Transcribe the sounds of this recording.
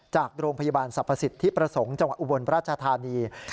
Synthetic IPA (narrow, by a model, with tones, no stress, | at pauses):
t͡ɕaː˨˩k̚ɾoː˧ŋpʰa˧ja˧baː˧nsa˨˩pʰːa˧si˨˩t̪ʰːiː˥˩pɾa˧so˩˦ŋt͡ɕa˧ŋwa˨˩ʔ̚u˨˧bo˧npɾaː˥˩t͡ɕʰa˧t̪ʰaː˧niː˧